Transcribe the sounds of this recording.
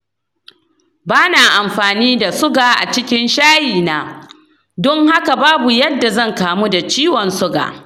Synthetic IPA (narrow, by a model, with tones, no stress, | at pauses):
baː˦naː˨ʔa˨mɸaː˨niː˦da˨sʊ˦ɡaː˨ʔa̰˨t͡ʃɪ˦kʲɪ˦nʃaː˦jiː˨naː˦ | dɔ˦ŋha˦ka˨baː˦bu˨jɐ˦dːa˨zɐ˦˨ŋkaː˨mu˦da˨t͡ʃiː˦wɔ˨nsʊ˦ɡa̰ː˨